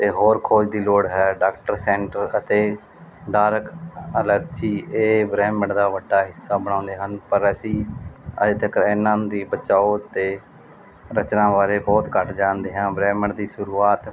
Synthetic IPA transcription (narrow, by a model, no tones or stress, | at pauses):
t̪eːɦoːɾkʰoːd͡ʒd̪iːloːɽɦɛːɖaːkʈəɾsɛːɳʈəɾət̪eː | ɖaːɾəkələɾd͡ʒiːeːbɾɛːməɳd̪aːʋəɖːaːɦɪsːaːbəɽ̃ãːnd̪eːɦənpəɾəsĩːə̰d͡ʒd̪ɪkɾɪnːãːd̪iːbət͡ʃaːoːt̪eː | ɾət͡ʃnãːbaːɾeːbɔːt̪kəʈʰd͡ʒãːnd̪eːɦãːbɾɛːməɳd̪iːʃʊɾuːaːt̪